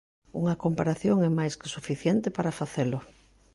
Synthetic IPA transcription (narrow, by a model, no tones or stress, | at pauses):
ṵŋɐkompaɾaθjoŋɛmajskɪ̥sufiθjɛnt̪ɪpaɾafaθelʊ